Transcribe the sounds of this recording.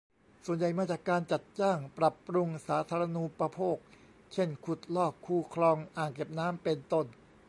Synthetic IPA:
su˨˩ənja˨˩jmaː˧˩t͡ɕaː˨˩kːaː˧nt͡ɕa˨˩t̪̚t͡ɕaː˥˩ŋpɾa˨˩pːɾu˧ŋsaː˩˦˥t̪ʰaː˧ɾa˧nu˧˥pɾa˧pʰoː˥˩k̚ | t͡ɕʰe˥˩nkʰu˨˩t̪̚lɔː˥˩kʰːuː˧˩kʰlɔː˧ŋʔaː˨˩ŋke˨˩p̚naː˦˥mpe˧nt̪o˥˩n

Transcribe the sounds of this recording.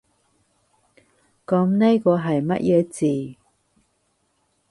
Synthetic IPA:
kɐ˨˥mne˥jkɔː˧ɦɐ˨jmɐ̰˦˥t̚jʔɛː˨˧t͡siː˨

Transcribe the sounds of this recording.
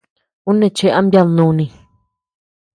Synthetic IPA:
u˦nẽ˧˨t͡ʃe˧ʔa˦mbja˦˧nũ˧nĩ˧˨

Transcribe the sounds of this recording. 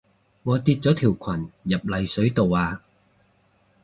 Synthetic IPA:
ŋɔː˨˧t̪iː˧t̚t͡sɔː˨˥t̪ʰiː˨˩wkʰɐ˨˩njɐ˨˩p̚lɐ˨˧jsɵ˨˥ɥt̪o˨waː˧

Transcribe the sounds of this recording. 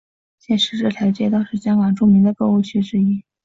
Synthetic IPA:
ɕjɛ˥˩nʂɻ̩˧˥ʈ͡ʂɤ˥˩t̪ʰjɑ˧˥ʊt͡ɕjɛ˥˧t̪ɑ˥˧ʊʂɻ̩˥˩ɕjɑ˥ŋkɑ˨˩ŋʈ͡ʂu˥˧mi˧˥ŋd̪ə˧kɤ˥˧u˥˩t͡ɕʰy˥ʈ͡ʂɻ̩˥i˥

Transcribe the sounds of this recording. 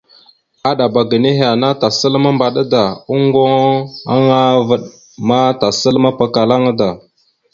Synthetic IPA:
a˦ɗa˨ba˨ɡə˨ne˦ɦa˨na˦ta˨sə˦lma˦mba˨ɗa˦da˨u˦ŋɡo˦ŋa˦ŋa˦və˨ɗ | ma˦ta˨sə˦lma˦pa˨ka˨la˦ŋa˦da˨

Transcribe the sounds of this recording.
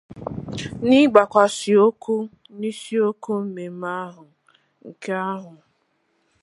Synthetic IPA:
ni˦ɡ͡ba˨kʷa˨si˨o˦ku˦ | ni˦si˦o˦ku˦m̩˦me˨m̩˦a˦ɦʊ˨ | ŋ̩˨ke˦a˦ɦʊ˨

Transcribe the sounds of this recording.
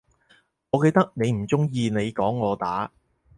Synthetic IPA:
ŋɔː˨˧ke˧jt̪ɐ˥k̚ne˨˧jm̩˨˩t͡sʊ˥ŋjiː˧ne˨˧jkɔː˨˥ŋːɔː˨˧t̪aː˨˥

